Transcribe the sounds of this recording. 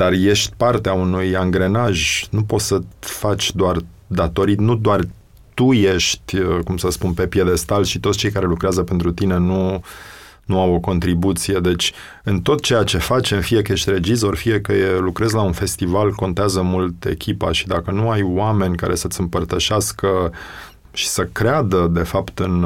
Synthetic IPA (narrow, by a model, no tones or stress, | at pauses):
d̪arje̞ʃt̪ʲpart̪eaunujaŋɡɾe̞naʒnupo̞t̪səfat͡ʃʲd̪oar | d̪at̪o̞ɾit̪nud̪oar | t̪ujeʃt̪ʲəkumsəspunpe̞pjed̪e̞st̪alʃit̪o̞t̪st͡ʃe̞jkaɾe̞lukɾeazəpe̞nt̪ɾut̪ine̞nu | nuawo̞ko̞nt̪ɾibut̪sije̞d̪e̞t͡ʃʲ | ɨnt̪o̞t̪t͡ʃe̞jat͡ʃe̞fat͡ʃemfijekəje̞ʃt̪ʲre̞d͡ʒizo̞rfije̞kəjelukɾe̞zlaunfe̞st̪ivalko̞nt̪eazəmult̪e̞̰kʲʰipa̰ʃi̥d̪akənuajwame̞nʲka̰ɾe̞sət̪sɨmpərt̪əʃeaskə | ʃi̥səkɾead̪əd̪e̞fapt̪ɨn